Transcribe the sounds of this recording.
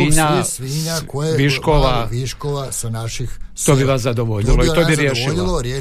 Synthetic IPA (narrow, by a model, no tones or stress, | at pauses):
iɲaiɲaoeʋiʃkoʋaiʃkoʋasnaʃixt̪oːbiʋasad̪oʋoʎiloit̪obiɾjeʃilo